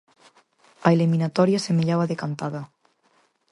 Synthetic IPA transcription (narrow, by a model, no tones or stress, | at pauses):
ɐeliminat̪ɔɾjasemeʎaβaðekant̪aðɐ